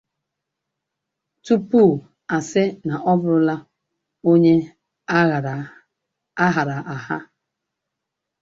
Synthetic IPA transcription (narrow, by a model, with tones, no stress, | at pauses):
tu˦pu˦˨ | a˨sɪ˦na˨ʔɔ˦bʊ˦ɾʊ˦la˦ | o˦ɲe˦˨ | a˦ɦa˨ɾa˨ʔa˨ha̰˦